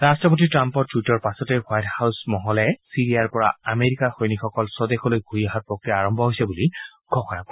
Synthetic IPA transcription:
ɹastɔpotitɹampɔɹtwitɔɹpasɔtɛwajthawsmɔɦɔlɛsiɹijaɹpɔɹa̰ameɹikaxojnixɔkɔlsɔdexɔlojɡʱuiaɦapɹɔkɹijaaɹɔmbʱɔɦojsɛbuliɡʱɔxɔɹak̚ɔ

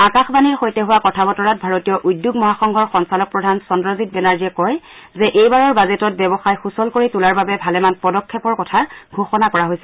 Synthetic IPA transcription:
akaxbaniɹxojtɛɦʊwakɔtʰabɔtɔɹat̚bʱaɹotijɔʔujdːjʊɡmɔɦaxɔŋɡʱɔɹxɔnsalɔk̚pɹɔdʱansɔndɹɔzitbɛnaɹziɛkɔj | zɛʔejbaɹɔɹbazɛtɔt̚bɛbɔxajxusɔlkoɹitulaɹbabɛbʱalɛmanpɔdɔkʰːɛpɔɹkɔtʰaɡʱoxɔnakɔɹaɦojsɛ

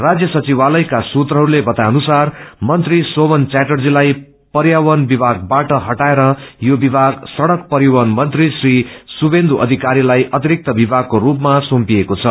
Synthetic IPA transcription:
rad͡zjʌsʌt͡siβalʌjkasut̪rʌɦʌɾulebʌt̪aʌnusarmʌnt̪risobʌnt͡saʈʌrd͡zilaj | pʌɾjawʌnbibʱaɡ̚baʈʌɦʌʈaeɾʌjobibʱaɡsʌɽʌk̚pʌɾiwʌnmʌnt̪risrisubend̪ʱuʔʌ̰d̪ʱikaɾilajʔʌt̪iɾik̚t̪ʌbibʱaɡ̚kːoɾupmasompiekot͡sʰʌ

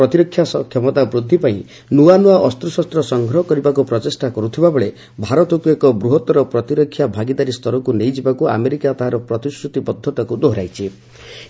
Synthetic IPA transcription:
ɾɔt̪iɾɔkʰːjasɔkʰjɔmɔt̪abɾud̪ʱːipaĩ | nuanuaʔɔst̪ɾɔsɔst̪ɾɔsɔŋɡʱɾɔɦɔkɔɾibakupɾɔtesʈakɔɾut̪ʰibabɔɭe | bʱaɾɔt̪ɔkuekɔbɾuɦɔt̪ɔɾɔpɾɔt̪iɾɔkʰːjabʱaɡid̪aɾist̪ɔɾɔkunejd͡ʒibakua̰meɾikat̪ɔɦaɾɔpɾɔt̪isʈɾut̪ibɔd̪ʱːɔt̪akud̪oɦɾa̰jt͡ʃʰi

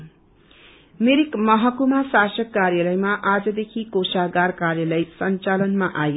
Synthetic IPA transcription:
meɾikmʌɦʌkumasasʌkːarjalʌjmaʔad͡zʌd̪ekʰikosaɡarkarjalʌjsʌnt͡salʌnmaʔaj

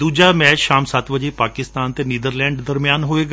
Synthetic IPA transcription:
d̪uːd͡ʒaːmɛ̃ːt͡ʃʃaːmsət̪ʋəd͡ʒeːpaːkɪst̪aːnt̪eːniːd̪əɾlɛ̃ːɳɖd̪əɾmɪjaːnɦoːeːɡ

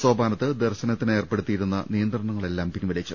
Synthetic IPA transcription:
soːbaːnɐt̪ːɨd̪erɕɐnɐt̪ːine̞ːrpe̞ɽut̪ːijiɾunːɐ̰nijɐnd̪rɐɳɐŋːɐɭe̞lːaːmpinːuʋɐlɐt͡ɕːɨ

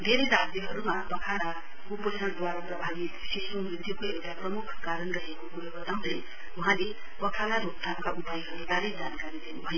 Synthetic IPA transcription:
d̪ʱeɾedat̪jʌɦʌɾumabʌkʰala | kupʌsʰʌɽ̃d̪waɾaprʌbʱani | sisumrid̪ʱjukoewʈaprʌmukʰkaɾʌnrʌɦekokuɾabʌt̪aw̃d̪ej | ũɦãle | bʌkʰalabʱuk̚t̪ʰamkaʔupajɦʌɾud̪aɾejd͡zankaɾid̪inubʱʌjo

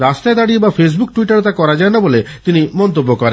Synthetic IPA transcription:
ɾast̪aed̪aɽibapʰes̬bukʈuiʈaɾot̪akɔɾad͡ʒaenabole | t̪inimɔnt̪obːokɔɾe

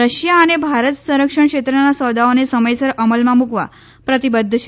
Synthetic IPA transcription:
ɾəɕjaːnebʱaɾət̪sə̃ɾəkʂəɳkʂet̪ɾənasɔd̪aonesəməjsəɾəməlmãmukʋa̰ | pɾət̪ibəd̪ʱːəɕ

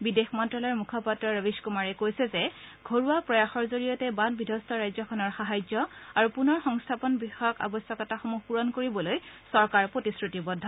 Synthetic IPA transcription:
bidexmɔntɹɔlɔɹmukʰɔpatɹɔɹəbiskumaɹɛkojsɛzɛɡʱoɹuapɹɔjaxɔɹzoɹijɔtɛbalbidʱɔstʰɔɹajzɔkʰɔnɔɹxaɦajzɔaɹupunɔɹxɔŋstʰapɔnbixɔjɔka̰bɔsjɔkɔtaxomuxpuɹɔnkoɹibɔlojsɔɹkaɹpɹotisɹutibɔdʱːɔ

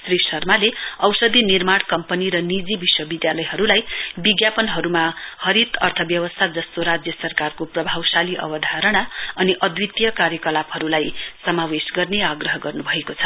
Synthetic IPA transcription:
srisʌrmaleʌwsʌd̪ʱinirmaɽ̃kʌmpʌniɾʌnid͡zibiswʌbid̪jalʌjɦʌɾulajbiɡjapʌnɦʌɾumahʌɾit̪ʌrt̪ʰʌbjʌwʌst̪ʰad͡zʌst̪oɾad͡zjʌsʌrkarkoprʌbʱawsaliʔʌ̰wʌd̪ʱaɾʌɽ̃aʌniʔʌd̪wit̪jʌkaɾjʌkʌlapɦʌɾulajsʌmawesɡʌrneaɡrʌɦʌɡʌrnubʱʌekot͡sʰʌ̥

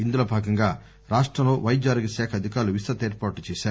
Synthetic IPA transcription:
ind̪uloːbʱaːɡɐŋɡaː | ɾaːʂʈɾɐmloːʋɐjd͡ʒaːɾɡisɛːkʰɐd̪ʱikaːɾluʋisɐt̪eːɾpaːʈːut͡ʃɛːʃaːɾ

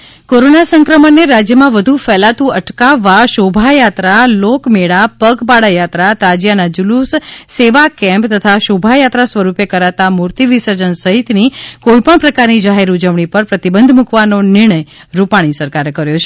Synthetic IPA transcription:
koɾonasəŋkɾəmənːeɾad͡ʒjəmãʋəd̪ʱufɛlat̪ũəʈkaʋːaʃobʱajat̪ɾalokmeɽapəɡpaɽajat̪ɾat̪ad͡ʒjanad͡ʒulusseʋakɛ̃mpt̪ət̪ʰaʃobʱajat̪ɾasʋəɾupekəɾat̪amuɾt̪iʋisəɾd͡ʒənsəɦit̪nikoipəɳpɾəkaɾnid͡ʒaɦeɾud͡ʒəʋɳ̃ipəɾpɾət̪ibənd̪ʱmukʋanonɪɾɳ̃əj | ɾupaɽ̃isəɾkaɾekəɾjot͡ʃʰe

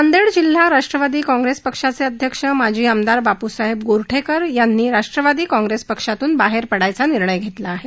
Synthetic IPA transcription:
ənd̪eɽd͡ʑil̤ːaɾaʂʈɾəʋad̪iːkɔ̃ŋɡɾespəkʂat͡seəd̪ʱjəkʂəmad͡ʑʱiːamd̪aɾbapusaɦebɡoɾʈʰekəɾjanːiːɾaʂʈɾəʋad̪iːkɔ̃ŋɡɾespəkʂat̪uːnbaɦeɾpəɽajt͡saniɾɳəjɡʱet̪laːɦe

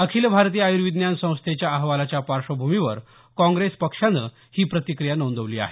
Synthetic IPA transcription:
əkʰiːlbʱaɾt̪iːajuɾʋid̪njansə̃w̃st̪ʰet͡ɕjaəɦʋalat͡ɕjapaɾʂəbʱumiʋəɾ | kɔ̃ŋɡɾespəkʂanə̰ | hiːpɾət̪ikɾijanownd̪əʋliːa̰ɦe

